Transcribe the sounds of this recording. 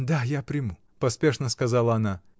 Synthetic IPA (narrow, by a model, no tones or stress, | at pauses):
d̪ajapɾʲɪmu | pɐspʲeʂnəskɐzalˠəɐna